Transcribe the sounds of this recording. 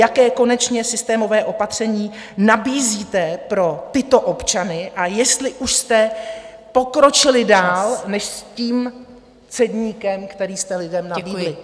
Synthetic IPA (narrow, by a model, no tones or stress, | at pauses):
jakɛːko̞nɛt͡ʃɲɛsɪst̪ɛːmo̞vɛːʔo̞pat̪r̝̥ɛɲiːnabiːziːt̪ɛpɾo̞t̪ɪt̪o̞ʔopt͡ʃanɪʔajɛst̪lɪʔuʃst̪ɛ | po̞kɾo̞t͡ʃɪlɪdaːlnɛʃsciːm | t͡sɛdɲiːkɛmkt̪ɛɾiːst̪ɛlɪdɛmnabiːlɪ